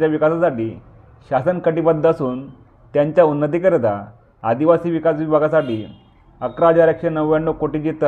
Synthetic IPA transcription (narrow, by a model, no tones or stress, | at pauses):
t͡ɕjaʋikasasaʈiː | ɕasənkəʈipəd̪ʱːəsuːn | t̪jaɲt͡ɕjaunːət̪̬ikəɾt̪a | ad̪iʋasiːʋikasʋibʱaɡasaʈiː | əkɾad͡ʑaɾekʂənəʋʋaɳɖokoʈid͡ʑit̪